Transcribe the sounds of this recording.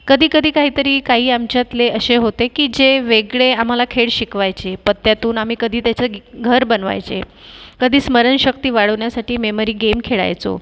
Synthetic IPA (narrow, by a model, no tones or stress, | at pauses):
kəd̪ʱiːkəd̪ʱiːkaɦiːt̪əɾiːkaɦiːamt͡ɕjat̪leəɕeɦot̪ekiːd͡ʑeʋeɡɭeam̤alakʰeɭɕikʋajt͡ɕepət̪ːjat̪uːnam̤iːkəd̪ʱiːt̪jat͡ɕeɡʱəɾbənʋa̰jt͡ɕḛkəd̪ʱiːsməɾənɕək̚t̪iːʋaɽəʋɳjasaʈiːmeməɾiːɡemkʰeɭa̰jt͡so̰